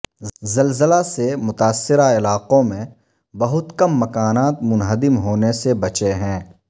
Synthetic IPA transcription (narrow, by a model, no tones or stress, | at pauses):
zəlzəlasemʊt̪aːsːɪɾaɪlaːqõmẽ | bɐɦʊt̪kɐmːɐkaːnaːt̪mʊnɦəd̪ɪmɦoːnesebɐt͡ʃeɦɛ̃ː